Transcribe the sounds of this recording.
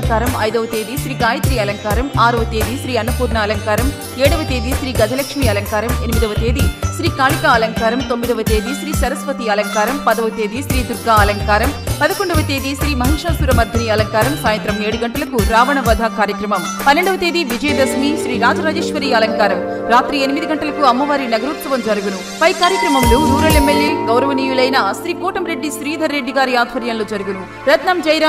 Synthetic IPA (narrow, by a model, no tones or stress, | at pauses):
ŋkaːɾɐmɐjðɐʋɐt̪eːðiʃɾiːkaːjɐt̪ɾiɐlɐŋkaːɾɐmaːɾɐʋɐt̪eːðiʃɾiːɐnːɐpuːɾɳɐɐlɐŋkaːɾɐm | eːɽɐʋɐt̪eːðiʃɾiːɡɐd͡ʒ̪ɐlɐkʂmiɐlɐŋkaːɾɐmɛnɪmiðɐʋɐt̪eːðiʃɾiːkaːlɪkaːɐlɐŋkaːɾɐmt̪omːiðɐʋɐt̪eːðiʃɾiːsɐɾɐspɐt̪iɐlɐŋkaːɾɐmpɐðɐʋɐt̪eːðiʃɾiːd̪ʊɾɡaːɐlɐŋkaːɾɐmpɐðɐkːoɳɖɐʋɐt̪eːðiʃɾiːmɐɦeːʂaːsuɾɐmɐɾd̪ʱɐniɐlɐŋkaːɾɐmsaːjɐnt̪ɾɐmeːɽɯɣɐɳɖɐlɯkːuɾaːʋɐɳɐʋɐd̪ʱaːkaːɾjɐkɾɐmɐm | pɐnːeɳɖɐʋɐt̪eːd̪iʋid͡ʒɐjd̪ɐsmiʃɾiːɾaːd͡ʒɐɾaːd͡ʒeːʂʋɐɾiːɐlɐŋkaːɾɐm | ɾaːt̪ɾienimid̪iɡɐɳʈɐlɐkuɐmːɐʋaːɾinɐɡɐɾut̪ʋɐʋɐmd͡ʒɐɾuɡunu | pɐjkaːɾjɐkɾɐmɐmluːd̪ʱuːɾɐlemːeljeːɡɐwɾɐʋɐniːjulɐjnɐsɾiːkoːʈɐmɾe̞ɖːisɾiːd̪ʱɐɾːeɖːiɡaːɾiaːd̪ʱʋɐɾjɐmloːd͡ʒɐɾuɡunu | ɾɐd̪ʱnɐmd͡ʒɐjɾa